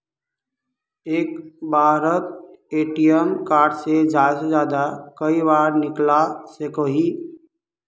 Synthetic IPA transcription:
eːkbʱaːɾət̪̚eːʈijəmkaːɾɖsed͡ʒaːesed͡ʒjaːd̪akəibaːɾnɪklasekoɦi

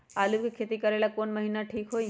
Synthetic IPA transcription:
aːlubkikʰeːt̪ikɐɾeːlakoːnmɐɦiːnaʈʰiːkɦoːi

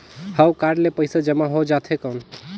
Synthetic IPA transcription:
həwkaɖlepəɪsad͡ʒəmaɦod͡ʒat̪ʰekəwn

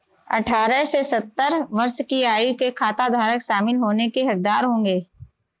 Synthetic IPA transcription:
ɐ̰ʈʰaːɾəɦsesɐt̪ːəɾʋɐɾʃkiaːukekʰaːt̪ad̪ʱaːɾəkʃaːmɪlɦoːnekeɦɐk̚d̪aːɾɦõːŋɡeː

